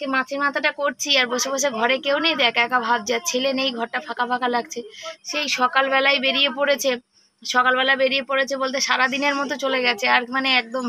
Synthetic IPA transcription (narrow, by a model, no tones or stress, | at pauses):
kemãt͡ɕʰeɾmat̪ʰaʈakoɾt͡ɕʰiaɾbɔʃobaʃ̬eɡʱɔɾekewnejd̪ɛkɛkabʱab̚d͡ʑat͡ɕʰelenejɡʱɔɾʈafʰakapʰakalaɡ̚t͡ɕʰeʃejʃɔkalbɛlajbeɾiepoɾet͡ɕʰe | ʃɔkalbɛlajbeɾijepoɾet͡ɕʰebolt̪̬ʰeʃaɾad̪ineɾmɔt̪̬ot͡ɕoleɡɛt͡ɕʰeaɾmaneɛk̚d̪om